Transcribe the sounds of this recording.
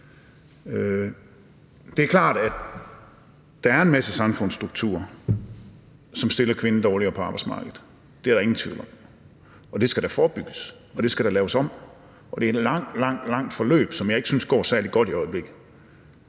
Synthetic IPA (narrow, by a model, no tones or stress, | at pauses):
ø | d̥e̝æɐkʰlɑ̰̈ːd̥æd | d̥ææɐe̝nmæsəsɑ̈mfɔ̽n̰sd̥ʁuɡ̥̚t͡sʰṵɐ̰ | sɒ̽msd̥e̝lɐkʰʋe̝nəd̥ɒːliɐːpʰɒ̽ɑ̈b̥ɑ̈ɪ̥smɑ̰̈ːɡ̥ð̩ˠ | d̥e̝æɐɾɑ̈e̝ŋn̩t͡sʰʋḭːʊl̩ɒ̽m | ɒ̽d̥e̝sɡ̥æɾ̥æfɒːb̥yɡ̥əs | ɒ̽d̥e̝sɡ̥æɾ̥ælɛːʊəsɒ̽m̰ | ʔɒ̽d̥e̝æɐed̥lɑ̈ŋ̰d̥lɑ̈ŋ̰d̥lɑ̈ŋ̰d̥fɒ̽lø̰ːb̥sɒ̽mjɑ̈ɪe̝ɡ̥əsynsɡ̥ɒ̰ːsæɐlid̥̚ɡ̥ɒ̽ɾ̥iɒ̽ɪəb̥le̝ɡ̥ð̩ˠ